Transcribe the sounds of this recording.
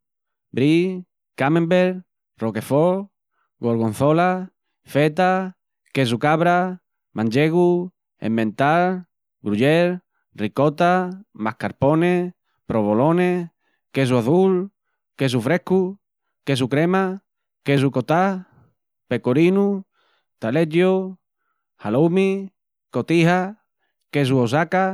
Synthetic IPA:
bɾi | kamẽmbeɾ | roke̞fo | ɡoɾɣon̟θola | fet̪a | kes̬ukaβɾa | mãɲd͡ʒeɣu | ḛmbẽnt̪al | ɡɾuʎeɾ | rikot̪amahkaɾpone | pɾoβolone | kes̬uaθul | kes̬ufɾehku | kes̬ukɾema | kes̬ukot̪a | pekoɾinu | t̪aleʎo | halomi | kot̪iha | kes̬uos̬aka

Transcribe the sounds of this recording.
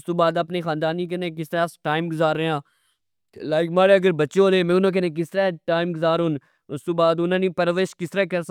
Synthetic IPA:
st̪oːbaːd̪əpneːxãːnd̪aːniːk̬ənẽːk̬ɪst̪ɾɛːsʈaːɪmɡʊzaːɾəãː | laːɪkmaːɽeːəɡəɾbətːʃeoːleːmẽːʊnãːk̬ənẽːk̬ɪst̪əɾɛːʈaːɪmɡʊzaːɾɦon | ʊst̪oːbaːd̪ʊnãːniːpəɾʋeːʃkɪst̪əɾɛːkəɾs

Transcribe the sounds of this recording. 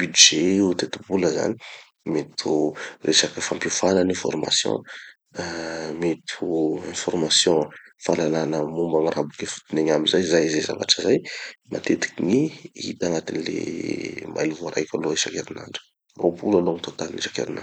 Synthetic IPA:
b̥yd̪ʒeut̪et̪ubuləza̰ni̥ | met̪ʰurʔesakəfampjufanənɛ̃fɔ̰rma̰sjɔ̰̃ | met̪ʰuɛ̃fɔrmasjɔ̃falalanəmumbaŋirabukefu̥t̪ineɲamizajzajzeza̰va̰ʈ͡ʂəzajmat̪et̪i̥kiɲiḭt̪aŋat̪inilḛma̰jluvoaɾa̰jkʲaloesakeɾina̰ɳɖ͡ʐə̥ | ropulaloŋit̪ot̪aninisakḛɾinḁ

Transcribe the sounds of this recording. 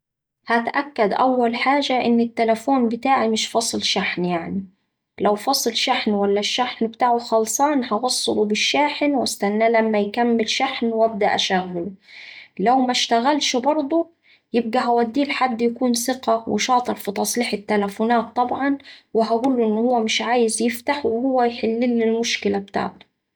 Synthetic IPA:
hat̪ʔakːad̪ʔawːalħaːʒaʔɪnːɪt̪ːalafoːnbɪt̪aːʕimɪʃfɑsˤɨlʃaħnjaʕni | lawfɑsˤɨlʃaħnwalːaʃːaħnbɪt̪aːʕʊxɑlsˤɑːnhɑwɑsˤːɨlubɪʃːaːħnwast̪anːaːlamːajkamːɪlʃaħnwab̚d̪aʔaʃaɣːʊl | lawmaʃt̪aɣalʃbɑɾˤd̪ˤu | jɪb̚ɡæɦawæd̪ːiːlħad̪ːjakuːnsɪqɑwʔɪ̰ʃɑːt̪ˤɨɾfit̪ˤɑsˤliːħɪt̪ːalafʊnaːt̪ˤːɑbʕɑnwɪɦaɡuːlʔɪnːhʊwːæmɪʃʕaːjɪzjɪft̪aħwɪhʊwːæjħɪlːilːilmʊʃkɪlabt̪a̰ʕt̪ʊ̥

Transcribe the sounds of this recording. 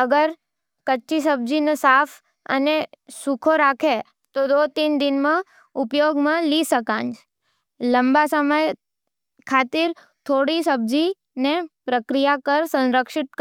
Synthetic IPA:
əɡəɾ | kət͡ʃːis̬əb̚d͡ʒinesaf | ə̰nesukʰoɾakʰe | t̪od̪ot̪ind̪ɪnmã | ʊpjoɡmãlisəkãnd͡ʒ | ləmbasəməj | kʰat̪iɾ | t̪ʰoɽisəbd͡ʒi | nepɾəkɾijakəɾsə̃nɾəkʃɪt̪̚k

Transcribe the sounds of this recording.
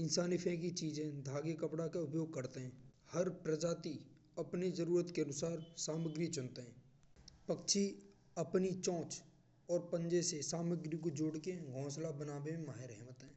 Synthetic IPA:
ɪ̃nsaːnɪpʰẽkit͡ʃiːzẽd̪ʱaːɡekəpɽakaʊpjoːɡ̚kəɾt̪eɦɛ̃ː | həɾpɾəd͡ʒaːt̪i | əpnid͡ʒəɾuːɾət̪keənʊsaːɾsaːməɡɾit͡ʃʊnt̪eɦɛ̃ː | pəkt͡ʃʰi | əpnit͡ʃɔ̃ːt͡ʃ | ɔːɾpə̃nd͡ʒesesaːməɡɾikod͡ʒoːɽkeɡʱɔ̃ːslabənaːbemẽmaːɦeɾɛɦmət̪ɦɛ̃ː

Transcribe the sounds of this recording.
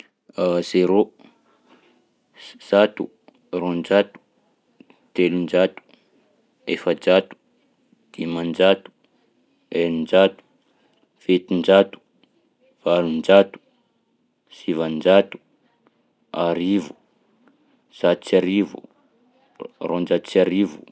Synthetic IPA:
z̥eɾo | z̥at̪u | rond͡ʒat̪u̥ | t̪elind͡ʒat̪u̥ | efəd͡ʒat̪u̥ | d̪̥imand͡ʒat̪u̥ | elind͡ʒat̪u̥ | fet̪ind͡ʒat̪u̥ | v̥alund͡ʒat̪u̥ | sivand͡ʒat̪u̥ | aɾivu̥ | z̥at̪u̥t͡saɾivṵ | rond͡ʒat̪u̥t͡siaɾivu

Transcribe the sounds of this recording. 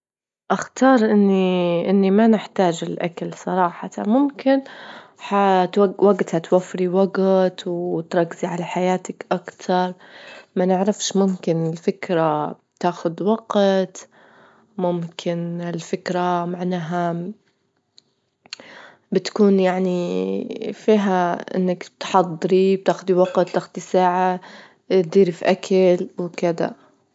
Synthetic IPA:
ʔaxt̪ɑːɾˤʔɪnːiʔɪnːimanɪħt̪aːd͡ʒɪlʔa̰kalsˤɑɾˤɑːħɑt̪amʊmkɪnħat̪awaɡt̪hat̪wafːɾiwaɡt̪wt̪ɾˤɑkːɪziʕalaħajaːt̪akʔakt̪ʰɑɾˤmanɪʕɾɑfʃmʊmkɪnɪlfɪkɾa | t̪aːxʊd̪waɡt̪ | mʊmkʰɪnɪlfɪkɾamaʕnaːɦa | bɪt̪kuːnjaʕni | fiːɦaʔɪ̰nːakt̪ħɑd̪ˤːɑɾib̚t̪aːxʊd̪iwɑqt̪t̪ːaxd̪isaːʕa | t̪̚d̪iːɾifʔakʰalwkɪd̪a̰

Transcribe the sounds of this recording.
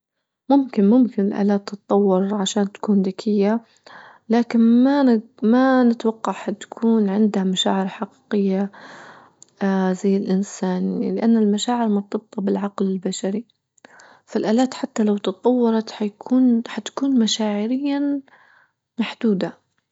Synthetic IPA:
mʊmkɪnmʊmkɪnɪlʔa̰ːlaːt̪ːɨt̪ˤːɑwːɑɾʕaʃaːnt̪ḁkuːnd̪akʰɪjːa | laːkɪnma | manɪt̪wɑqːɑʕhat̪kʰuːnʕɪnd̪hamaʃaːʕɪɾħɑqi̥ːqɪjːa | zajːɪlʔɪnsaːnlɪʔanːalmaʃaːʕɪɾmʊt̪ːɑb̚t̪ˤɑbɪlʕɑqlɪlbaʃaɾi | falʔaːlaːt̪ħat̪ːalawt̪ɨt̪ˤːɑwːɑɾˤɑt̪ħajkʰuːnħat̪ḁkuːnmaʃaːʕɪɾɪjːa | maħd̪uːd̪a

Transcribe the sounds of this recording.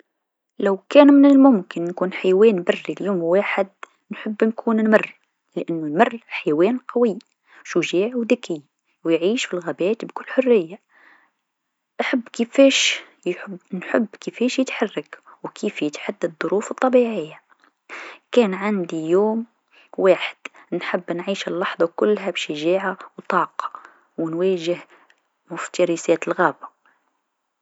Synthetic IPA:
lawkæːnmɪnɪlmʊmkɪnːkuːnħajwɛːnbarːiljuːmwaːħɪd̪ | nħəbːnkʰuːnnmɑrː | lɪʔanːʊnmʊrˤːħajwɛːnqɑwiː | ʃuʒiːʕwd̪æki | wjʕiːʃfilɣæbæːt̪bkʊlːħʊrːɪjːa | ʔaħabːkəfɛːʃ | bnħɪbːkɪfɛːʃjɪt̪ħɑrˤːɑkwkʰiːfjɪt̪ħad̪ːaðˤːʊɾuːfɨt̪ˤːɑbiʕɪjːa | kæːnʕand̪ijoːm | waːħɪ̥d̪̥nħabːnʕiːʃɪlːɑħðˤɑkʊlːɦæbʃaʒaːʕawt̪ˤɑːqɑ̥ | wnwæːʒɪh | mʊft̪ɑɾisæːt̪lɣæːba

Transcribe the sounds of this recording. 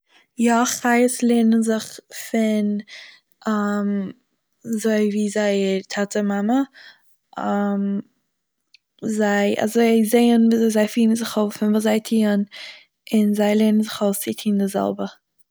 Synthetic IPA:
jaχaɪəslˠeːnənzɪχfɪn | am | zoɪviːzaɪtʰatəmamə | ʔam | zaɪa̰zoɪzeɪənviːzoɪzaɪfiːnən̩zɪχoʊsfɪnvuːzaɪtʰiːən | ɪnzaɪlˠenən̩zɪχoʊst͡sɪtʰiːndɪzɛ̰lˠbə

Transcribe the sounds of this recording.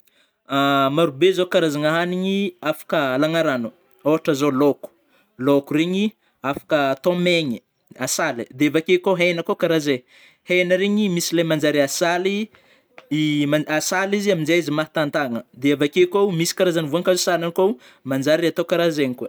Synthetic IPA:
amaɾubezokaɾazaŋaɦaniɲiafḁkəlaŋaɾanu | oaʈ͡ʂəzoloku̥ | lokureɲi | afḁkət̪omeɲi | asalid̪eavakekoɦejnakokaɾaze | hejnəɾeɲimisilamand͡ʒaɾiasali | maasaliziamind͡ʒeizimaɦt̪ant̪aŋəd̪eavakekowmisi̥kaɾazanvuaŋkazosalanikow | mand͡ʒaɾiat̪okaɾazeɲikua

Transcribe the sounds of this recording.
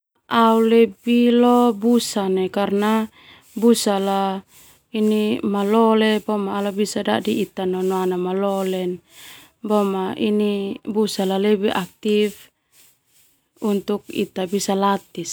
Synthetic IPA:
aulebilɔbusanekarna | busala | inimalɔlebɔmaːlabisadadiit̪anɔnoanamalɔlɛn | bɔmaʔḭnibusalalebiʔak̚t̪if | unt̪uk̚ḭt̪abisalat̪is

